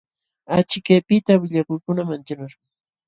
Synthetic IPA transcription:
at͡ʃɪkajpɪt̪awɪʎakʊjkʊnamant͡ʃaɾaɾ

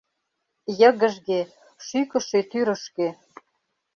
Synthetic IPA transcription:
jə̆ɣə̆ʒɣe | ʃykə̆ʃet̪yɾə̆ʃke

